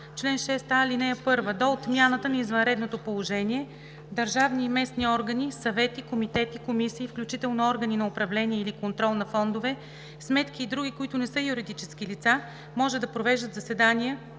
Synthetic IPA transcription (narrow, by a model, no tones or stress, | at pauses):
t͡ʃlɛnʃɛst̪alinɛjəpɤɾvəd̪oot̪mʲjanət̪ənɐizvɐnɾɛd̪not̪opolˠoʒɛniɛ | d̪ɐɾʒavnimɛsniɔɾɡənisɐvɛt̪ikomit̪ɛt̪ikomisiːfklʲut͡ʃit̪ɛlˠnoɔɾɡəninɐʊpɾɐvlɛniɛilikont̪ɾɔlˠnɐfɔnd̪ovɛ | smɛt̪k̟iːd̪ɾuɡʲikoit̪ʊnɛsɤjuɾid̪it͡ʃɛskilit̪sa | mɔʒɛd̪ɐpɾovɛʒd̪ət̪zɐsɛd̪anijə